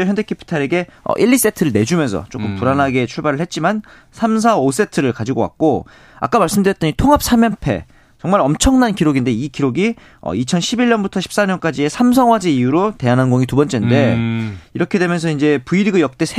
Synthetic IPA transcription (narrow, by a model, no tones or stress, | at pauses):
jʌndʰekʰepʰi̥tʰaɾe̞ɡe̞ʌ̰ʔiʎːis͈etʰɯɾɯɭne̞d͡ʑumjʌnsʰʌ̰t͡ɕ͈okk͈ɯmpuɾanɦaɡe̞t͡ɕʰuɭbaɾɯɭhe̞t̚t͡ɕ͈iman | sʰams̬ʰaos̬͈e̞tʰɯɾɯɭkad͡ʑiɡowa̰k̚k͈o | a̰k͈amaɭs͈ɯmdɯɾjʌt͈ɲitʰoŋɦap̚s͈amjʌnpʰe̞̰ | t͡ɕʌŋmaɾʌmt͡ɕʰʌŋnankiɾoɡinde̞ikiɾoɡi | ʌ̰it͡ɕʰʌnɕʰibiʎːʌnbutʰʌɕʰip̚s͈aɲʌnk͈ad͡ʑie̞sʰams̬ʰʌŋwad͡ʑeijuɾote̞anɦanɡoŋitubʌnt͡ɕ͈ende̞iɾʌkʰe̞dwe̞mjʌnsʰʌind͡ʑe̞puiɾiɡɯjʌk̚t͈e̞sʰ